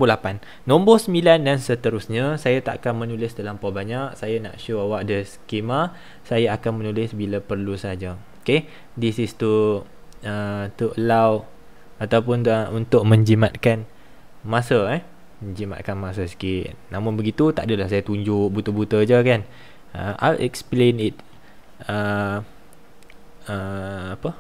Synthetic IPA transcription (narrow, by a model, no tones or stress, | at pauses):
bolapanːõmbosəmbilandansət̪əɾʊsɲãsajat̪a̰ʔkanmənulɪsdəlampabaɲaʔ̚sajana̰ʔʃoawaʔ̚dəskema | sajaakanmənulɪsbilapərlusad͡ʒaoke | disist̪u | ət̪uʔəlaw | at̪awp̬ʊnəunt̪ʊʔ̚mə̃ɲd͡ʒimat̪̚kan | mãsaɛ | məɲd͡ʒima̰t̪̚kanmas̬asi̥kɪtnamʊ̃nbəɡit̪ut̪aʔdəlahsajat̪uɲd͡ʒʊʔbut̪əbut̪əd͡ʒəkan | əʔa̰ʔɛksplenit̪̚ | ə | əapə